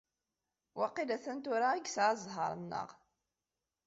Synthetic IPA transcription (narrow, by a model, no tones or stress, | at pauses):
wɑqːilæθənt̪ʊɾaiɡsʕazˤɦɑ̰ɾˤənːə̰ʁ